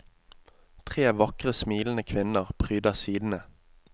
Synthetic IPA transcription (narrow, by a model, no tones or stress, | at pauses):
t̪ʰʁeːʋɑkʁəsmiːln̩əkʰʋɪnəʁpʰʁyːd̪ɑsiːd̪n̩ə